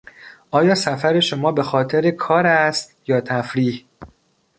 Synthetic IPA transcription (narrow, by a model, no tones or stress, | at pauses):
ʔɒːjɒːsæfæɾe̞ʃomɒːbe̞xɒːt̪ʰeɾekʰɒːɾæst̪jɒːt̪ʰæfɾiːh